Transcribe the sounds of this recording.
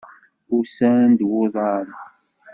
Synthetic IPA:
ʊɾsænd̪wʊðˤɑɾˤ

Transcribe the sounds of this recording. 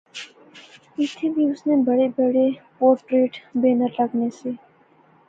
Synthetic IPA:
ɪt̪ʰebʱiʊsnebəɽebəɽepoːɾʈɾeːʈbeːnəɾləɡneseː

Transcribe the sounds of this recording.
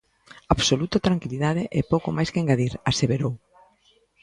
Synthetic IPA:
aβsolut̪ot̪ɾaŋkiliðaðeʔɛpowkomajskeŋɡaðiɾaseβeɾow

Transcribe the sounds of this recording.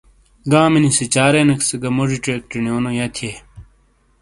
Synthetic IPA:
ɡãːminisit͡ɕaːɾenɐksɐɡɐmoʐiʈɾeːk̚ʈinioːnojɐt̪ʰie

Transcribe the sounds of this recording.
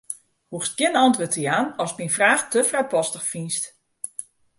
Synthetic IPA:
huxs̚ɡjɪnɔntʋotijaːnɔsminfraːxtəfrajpɔstəxfinst

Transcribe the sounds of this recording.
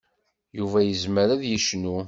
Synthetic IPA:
juvæjəzməɾæðjəʃnu

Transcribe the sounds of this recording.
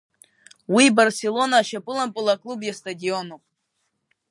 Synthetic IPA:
wijbɐrsʲelˠonaʃapʼɨlˠampʼɨlˠakʼlˠubjast̪ʼadʲionuqʼ

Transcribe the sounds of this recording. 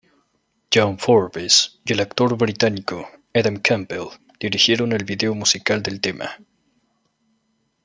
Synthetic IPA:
d͡ʒaɱfoɾβesjelakt̪oɾβɾit̪anikoeðamkʰampel | d̪̥iɾixje̞ɾonelβiðeomusikald̪e̞lt̪emʔa̰

